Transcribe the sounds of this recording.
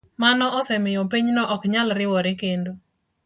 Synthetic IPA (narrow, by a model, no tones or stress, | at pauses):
manɔʔɔsɛmɪjɔp̬iɲnɔʔɔkɲalɾɪwɔɾɪkendo